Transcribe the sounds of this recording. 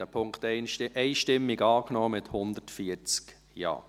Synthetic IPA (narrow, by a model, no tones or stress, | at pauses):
ɛpʰʊŋktɛnʔɛɪʃtɪmːɪɡɑːknɔːmɪthʊnd̪ətfiət͡sk | jɑ̰ː